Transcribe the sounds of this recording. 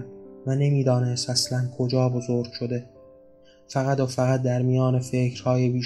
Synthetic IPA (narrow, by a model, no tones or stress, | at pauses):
væne̞miːd̪ɒːnest̪æslænkʰod͡ʒɒːbo̞zoɾɡ̥ʃo̞d̪e̞ | fæɣæt̪ofæɣæt̪̚d̪æɾmijɒːnefe̞cɾ̥hɒːjebiː